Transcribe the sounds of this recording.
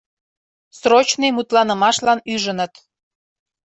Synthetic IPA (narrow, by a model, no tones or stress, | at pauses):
srot͡ɕnemut̪lɑnə̆mɑʃlɑnyʒənət̪